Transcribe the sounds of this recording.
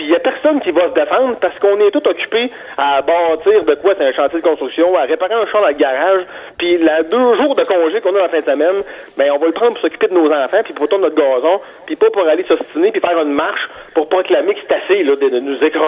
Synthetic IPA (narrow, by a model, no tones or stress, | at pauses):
pijapɛʁsɔnkʲivʌsəd̪efɑ̃d̪ʁpaʁsə̥kɔ̃nɛt̪ʊt̪ɔkʲy̥pe | abɑːt͡s̪iːʁd̪əkwaseɛ̃ʃɑ̃ːt̪jied̪əkɔ̃st̪ʁyksjɔ̃aʁepaʁeɛ̃ʃãd̪ãlɡʲaʁaʒ | pilad̪øːʒuːʁd̪əkɔ̃ːʒekɔ̃naalafɛ̃d̪əsəmɛn | bɛ̃ɔ̃vɑlpʁɑ̃d̪pʊʁsɔkʲy̥ped̪ənozɑ̃ːfãpipʁot̪ɔ̃nnɔt̪̚ɡɑːzɔ̃ | pipɔpuʁalesɔst͡s̪inepifɛːʁynmaʁʃ | pʊʁpʁɔklamɪkse̥t̪aselɔd̪əənuzekʁɑ̃